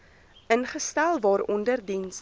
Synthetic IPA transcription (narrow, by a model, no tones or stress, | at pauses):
ʔənχəstælˠvɑːɾɔndərdins